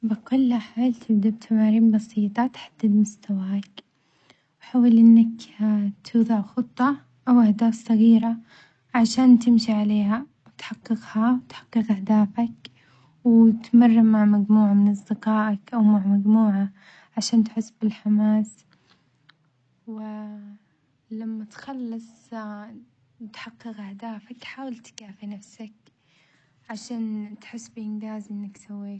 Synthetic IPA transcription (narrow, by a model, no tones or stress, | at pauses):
bɪkʊlːaħalt̪ʰɪbd̪ab̚t̪ʰamaːɾiːmbɑsiːt̪ˤɑt̪ħad̪̥ːɪd̪mʊst̪ʰawaːk | wħawalʔɪnːakt̪ʰuːðˤɑʕxʊt̪ˤːɑ | ʔawʔahd̪aːθsˤɑɣiːɾa | ʕaʃaːnt̪ɪmʃiʕaleːha | wt̪ħɑqːɨqhawt̪ħɑ̥qːɨqʔahd̪aːfak | wt̪marˤːɪmaʕmad͡ʒmuːʕamɪnʔɑs̬ˤd̪ɪqɑːʔakʔawmaʕmad͡ʒmuːʕa | ʕaʃaːnt̪ħɪsːbɪlħamaːs | wɪ | lamːat̪xalːɑsˤ | t̪ħɑqːɨqʔahd̪aːfakħaːwalt̪kaːfinafsak | ʕaʃaːnt̪ħɪsːbɪʔɪnɡ̪aːzʔɪnːaksawːiːk